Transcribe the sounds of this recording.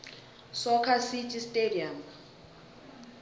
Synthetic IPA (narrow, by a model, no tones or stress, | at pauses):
sɔkʰasit͡ʃʼistʼediam